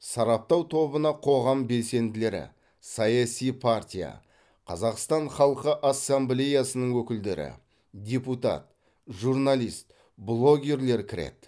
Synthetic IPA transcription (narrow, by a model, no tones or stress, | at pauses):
sɑɾɑp̚t̪ɑwt̪ʰo̞bənɑqʰo̞ʁɑmbe̞lse̞nd̪ɪle̞ɾɪ̰ | sɑjasijpʰart̪ʲija̰ | qʰɑzɑqst̪ɑɴχɑlˠqəʔasːamblʲe̞jasənəɴwɵkʲɪld̪e̞ɾɪ̰ | dʲe̞put̪ɑ̰t̪̚ | ʒuɾnalˠijst̪̚ | blˠo̞ɡʲe̞ɾle̞ɾkʲʰɪɾe̞̰t̪